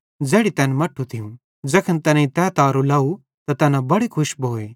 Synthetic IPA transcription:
d͡zɛːɽit̪ɛːnmɐʈʰːut̪ʰiũ | d͡zɐkʰənt̪ɛːnẽĩt̪ɛːt̪aːɾulaːu | t̪at̪ɛːnabɐɽikʰʊʃbʱoːeː

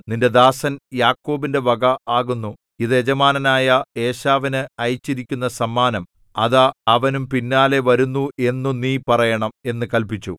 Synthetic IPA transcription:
ninde̞d̪aːsɐnjaːkːo̞ːbinde̞ʋɐɡɐaːɣunːu | iðɨed͡ʑɐmaːnɐnaːjɐe̞ːɕaːʋinɨɐjt͡ɕːiɾikʲːunːɐsɐmːaːnɐm | ɐðɐɐʋɐnumpinːaːle̞ʋɐɾunːue̞nːuniːpɐrɐjɐɳɐme̞nːɨkɐlpit͡ɕːṵ

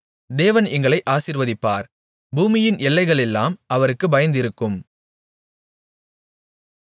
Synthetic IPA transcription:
d̪eːʋɐnɛŋɡɐɭɐɪʔaːsiːɾʋɐðɪpːaːɾ | buːmɪjɪnɛlːɐɪɣɐɭɛlːaːmʔɐʋɐɾɯkːɯbɐjɐnd̪ɪɾɯkːɯm

